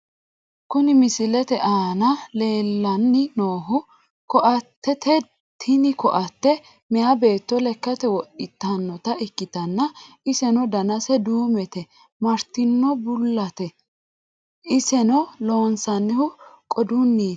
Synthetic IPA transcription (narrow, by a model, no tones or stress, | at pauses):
kʊnɪmɪsɪlɛt̪ɛʔaːnɐle̞ːlːɐnːɪnoːɦʊ | kɔʔɐt̪ʰːɛt̪ʰɛ | t̪ʰɪnɪkɔʔɐt̪ːɛ | mɛjɐbe̞ːt̪ːɔlɛkːɐt̪ɛwɔʔɪt̪ːɐnːɔt̪ɐɪkːɪt̪ɐnːɐ | ɪsɛnɔd̪ɐnɐsɛd̪uːmɛt̪ɛ | mɐɾt̪ːɪnːɔbʊlːɐt̪ɛ | ʔɪsɛnɔlo̞ːnsɐnːɪhʊ | kʼɔd̪ʊnːiː